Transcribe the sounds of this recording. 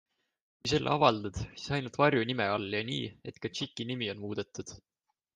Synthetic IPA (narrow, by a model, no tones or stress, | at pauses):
kujselːʔɑvɑld̪̥ɑd̪̥si̥sɑjnult̪vɑrjunimeɑlːjɑnḭːe̞t̪kɑt͡ʃikːˑinimio̞nmuːd̪̥e̞t̪ːˑud̪̥